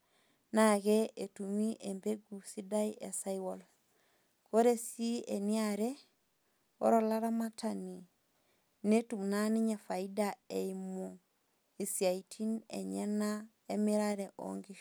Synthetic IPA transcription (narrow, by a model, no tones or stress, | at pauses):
naɡeetumiʔembeɡusidajḛsaiwol | koɾesieniaɾe | o̰ɾolaɾamatʰani | netumnaniɲafaidaeimo | isiaitʰinḛɲena | emiɾaɾeʔo̰ŋɡi